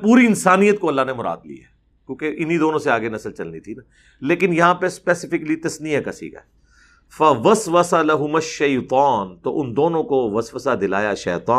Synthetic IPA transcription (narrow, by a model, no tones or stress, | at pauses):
puːɾiɪnsaːnijət̪̚koɐlːanemʊɾa̰ːd̪lḭja̰ɦɛ | kjõːkeʔɪnid̪oːnõseaːɡenɐsəlt͡ʃɐlnit̪ʰina | leːkɪnjɐɦãːpespɛːsɪfɪklit̪ɐsniakɐ̰sḭka̰ | fɐʋɐsʋəsalɐɦʊmɐʃːɐːt̪aːnt̪o̰ʔʊnd̪oːnõkoʋɐsʋəsad̪ɪla̰ːjaʃɛ̰ːt̪aː